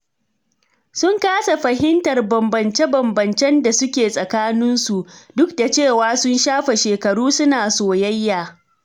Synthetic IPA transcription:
sʊ˦ŋkaː˦sa˨ɸɐ˨ɦɪ˦ntɐ˨rbɐ˨mbɐ˨nt͡ʃe˦bɐ˨mbɐ˨nt͡ʃɛ˦nda˨sʊ˦kʲeː˨sʼɐ˨kaː˦nɪ˦nsu˨dʊ˦kda˨t͡ʃeː˦˨waː˦sʊ˦nʃaː˦ɸe˨ʃeː˨kɐ˨ɽuː˦sʊ˦naː˨soː˨jɐ˦jːaː˨

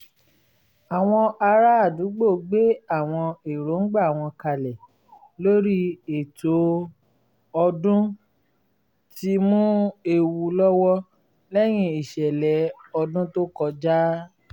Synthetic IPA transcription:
a˨w̃ɔ̃˧ʔa˧ɾa˦a˦˨du˨˦ɡ͡bo˦˨ɡ͡be˦a˦˨w̃ɔ̃˧e˨ɾo˨˦ŋ̩˦ɡ͡ba˦˨w̃ɔ̃˧ka˧lɛ˨ | lo˦ɾi˦e˨to˨˦ | ɔ˧dũ˦ | ti˧mũ˦e˧wu˧lɔ˦wɔ˦ | lɛ˦j̃ĩ˧i˨ʃɛ˨lɛ˨˦ɔ˧dũ˦to˦kɔ˧d͡ʒa˦

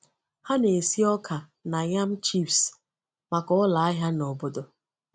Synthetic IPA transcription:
ha˦ne˨si˦ɔ˦kʰa˨ | na˨ɲa˦m̩˦t͡ʃi˦fs | ma˨kɔ˨˦la˨a˦ɦja˦nɔ˨bo˦do˨

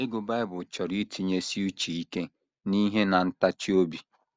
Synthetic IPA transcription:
e˦ɡʊ˨ba˦ɪ˦bʊ˨t͡ʃɔ˨ɾi˦tʰi˨ɲe˦si˦u˦t͡ʃi˨i˦ke˦ | ni˦ɦe˦na˨n̩˦ta˦t͡ʃi˦o˦bi˨

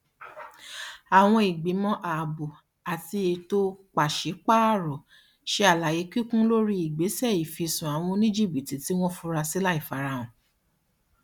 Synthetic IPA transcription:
a˨w̃ɔ̃˧i˨ɡ͡bi˨˦mɔ̃˦ʔa˨bu˨ | a˨ti˧e˧to˦k͡pa˨ʃe˨˦k͡pa˦˨ɾɔ˨ | ʃe˦a˨la˨je˨˦ki˦kũ˦lo˦ɾi˦i˨ɡ͡be˨˦sɛ˦˨i˨fi˨˧sũ˨a˨w̃ɔ̃˧nĩ˦d͡ʒi˦˨bi˨ti˨ti˨˦w̃ɔ̃˦fu˧˦ɾa˧si˦la˦i˦˨fa˨˦ɾa˧˨ɔ̃˨

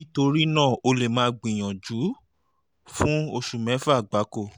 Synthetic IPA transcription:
i˦to˧ɾi˦nãː˦˨o˧le˨mãː˨˦ɡ͡bĩ˨j̃ɔ̃˨d͡ʒu˨˦ | fũ˦o˧ʃu˨mɛ̃˨˦fa˦˨ɡ͡ba˨˦ko˦˨

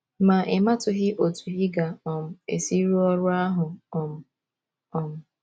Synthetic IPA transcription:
ma˨ʔɪ˨ma˦tʊ˨ɦɪ˦ʔo˨tu˨ɦɪ˦ɡa˨ɔ˨m̩˦ḛ˨si˦ɾu˦ɔ˦ɾʊ˦a˦ɦʊ˨ɔ˨m̩˦ | ɔ˨m̩˦

